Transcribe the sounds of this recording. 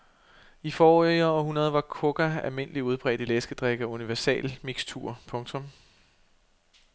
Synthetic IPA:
ifɒːiɐɒɦunɐð̞ˠʋɑ̈kʰɔɡ̥æælme̝nəliuð̞ˠb̥ʁɛ̰ːd̥ilesɡ̥əd̥ʁaɡ̥æuniʋæɐsɛ̰ːlmiɡ̥st͡sʰṵɐ̰pʰɔ̽ŋt͡sʰɔ̽m

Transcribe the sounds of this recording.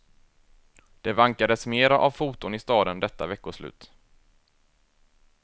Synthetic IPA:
d̪̥ɛvaŋkad̪əsmeːɾaʔavfuːt̪ʊnɪst̪ɑːd̪ənd̪ɛt̪ːa̰vɛkːʊʂlʉ̰ːt̪

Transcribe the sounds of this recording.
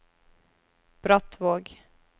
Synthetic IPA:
b̥ɾat̪ʋoːɡ

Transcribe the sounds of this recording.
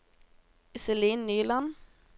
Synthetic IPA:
ɪsəliːnːyːlɑn

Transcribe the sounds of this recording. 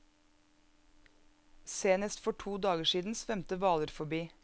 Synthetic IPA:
seːnəst̪fɔʈʰuːd̪ɑːɡəʃiːd̪n̩sʋɛmt̪əʋɑːləɾfɔbiː

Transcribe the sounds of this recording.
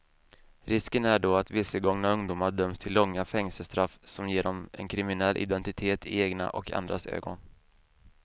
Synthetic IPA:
ɾɪskənæɖoːat̪vɪsːəɡɔŋnaɵŋd̪uːmaɖœmst̪ʰɪlːɔŋːafɛŋsəst̪ɾafsɔmjeːɖɔmɛ̰nkʰɾɪmɪnɛlːʔɪ̰d̪ɛnt̪ɪt̪ʰeːt̪ʰɪeːɡna̰ʔɔkʰa̰nd̪ɾasø̰ːɡɔn

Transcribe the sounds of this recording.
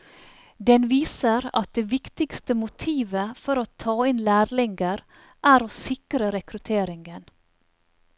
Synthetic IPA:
d̪ɛnʋiːsəɾɑ̰t̪̚d̪eːʋɪkt̪ɪɡst̪əmʊt̪ʰiːʋəfɔɾoːt̪ʰɑːɪnlæːɾlɪŋɡəɾ | ʔæːɾoːsɪkɾəɾɛkɾʉt̪ʰeːɾɪŋɡən

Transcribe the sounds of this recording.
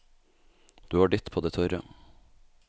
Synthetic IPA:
d̪̥ʉːhɑːɖɪt̪pʰoːd̪eːt̪ʰɔɾə̰

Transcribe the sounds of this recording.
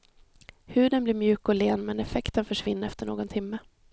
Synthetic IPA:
hʉ̟ːd̪ənblɪɾmjʉ̟ːkɔleːnmɛnɛfɛkt̪ənfœʂvɪnːəɾɛft̪əɳoːɡɔnt̪ʰɪmːə

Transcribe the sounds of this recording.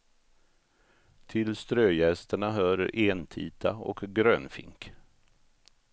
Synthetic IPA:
t̪ʰɪlst̪ɾøːjɛst̪əɳaɦœːɾəɾʔeːnt̪ʰḭːt̪ʰaɔ̰kɡɾøːnfɪ̰ŋk

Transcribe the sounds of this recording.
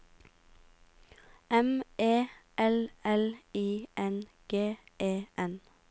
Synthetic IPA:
ɛmeːʔɛlɛliːʔɛnɡ̥eːʔeːʔɛn

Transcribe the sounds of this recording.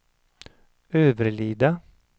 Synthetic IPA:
øːʋəɾliːd̪ɑ

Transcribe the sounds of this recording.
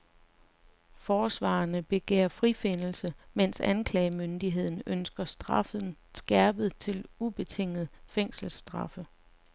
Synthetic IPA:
fɒːsʋɑ̰̈ːnəb̥e̝ɡ̥ɛ̰ːɐfʁife̝nl̩səmen̰sænkʰlɛːmønd̥iɦe̝ð̞̰ˠn̩ønsɡ̥ɐsd̥ʁɑ̈fð̩ˠn̩ | sɡ̥æɐb̥ð̞̩ˠt͡sʰe̝lub̥e̝t͡sʰe̝ŋ̰ð̞̩ˠfeŋ̰sl̩sd̥ʁɑ̈fə

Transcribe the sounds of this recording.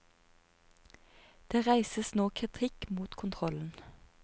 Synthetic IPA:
d̪̥eːʁæɪsəsnoːkʰʁɪt̪ʰɪkmuːt̪kʰʊnt̪ʰʁɔln̩

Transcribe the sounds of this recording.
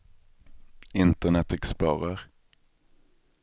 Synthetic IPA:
ɪnt̪ənɛt̪ɛksplɑːʁəʁ

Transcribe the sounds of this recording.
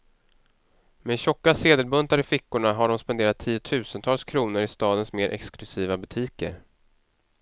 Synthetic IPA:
mɛɕɔkːaseːd̪əlbɵnt̪aɾɪfɪkːʊɳaɦaɖɔmspɛnd̪eːɾat̪ʰːiːʊt̪ʰʉ̟ːsənt̪ʰɑːlskʰɾuːnəɾɪst̪ɑːd̪ənsmeːɾʔɛ̰ksklɵsiːvabɵt̪ʰiːkə̰ɾ

